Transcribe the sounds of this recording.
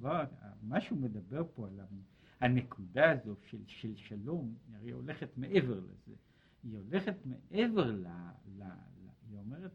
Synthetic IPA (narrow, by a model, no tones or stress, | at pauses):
vaamaʃumed̪abe̞ʁpo̞ala | anekʰud̪aːzo̞ʃelʃelʃalo̞maʁejo̰le̞χet̪meʔeveʁlḛzḛ | iole̞χet̪meʔeve̞ʁlala̰iome̞ʁet̪